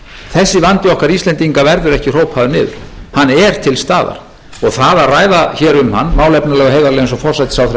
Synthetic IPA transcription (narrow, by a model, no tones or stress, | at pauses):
θɛsːɪvant̪ɪɔhkaɾist̪lɛnt̪iŋkavɛɾðʏɾɛhcɪr̥oːwphaðʏnɪːðʏ̰ɾ̥hanːɛɾ̥t̪ʰɪlst̪aːða̰ɾ̥ | ɔɣθaðaðraːjðaçɛːɾʏmhanːmaːwlɛpnalɛɣaɦeːjðaɾlejns̬ɔfɔr̥sajt̪sawθɾe